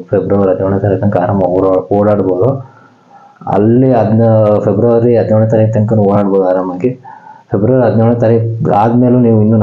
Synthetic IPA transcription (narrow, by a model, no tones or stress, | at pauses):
pʰebɾɐʋɐɾiɐd̪nɐʋɳɐt̪ɐɾiːkt̪ɐŋkaːɾamɐoːɽaːɽboːd̪u | ɐ̰lːiɐd̪nɐpebɾɐʋɐɾiɐd̪nʋɳɐt̪ɐɾiːk̚t̪ɐŋkɐnːuoːɽaːɽboːd̪uaːɾaːmɐɡipʰebɾɐʋɐɾiɦɐd̪nɐːɳɐt̪ɐɾiaːd̪meːluniːʋuinːuːn